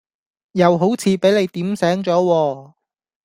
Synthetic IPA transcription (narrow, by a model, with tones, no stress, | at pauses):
jɐ˨˧wɦo˨˥wt͡sʰiː˨˧pe˨˥jle˨˧jt̪iː˨˥msɛː˨˥ŋt͡sɔː˨˥wɔː˧